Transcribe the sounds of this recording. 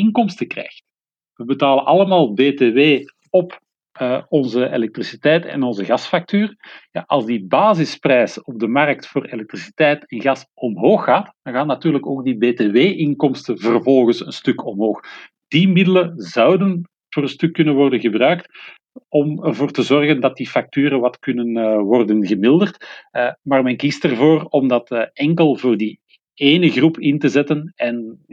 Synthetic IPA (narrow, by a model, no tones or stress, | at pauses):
ɪŋkɔmstəkrɛ̰jxt | ʋəbətaːlənʔɑləmaːlˠbeːteːweː | ɔp | əɔnzəḛlɛk̚trisitɛjtɛ̰nɔnzəɣɑsfak̚tyːrja̰ʔɑlˠzdibaːzɪsprɛjsəɔb̚dəmɑrək̚tfoːrelɛk̚trisi̥tɛjtɛnɣɑsɔmɦoːxːaːtdɑŋɣaːnːatyːrləkoːɡdibeːteːweːʔɪŋkɔmstənvərvɔlˠɣənsənstɵkɔmɦoːx | d̥imɪdələzɑwdən | voːɾənstɵkːɵnənʋɔrdənɣəbrœɥk̚t | ɔmərvoːrtəzɔrɣəndɑt̚difɑk̚tyːɾəʋɑtkɵnənwɔrdənɣəmɪlˠdərtmaːrmɛnkistərvoːrɔmdɑtɛŋkəlˠvoːrdi | eːnəɣrupɪntəzɛtənɛn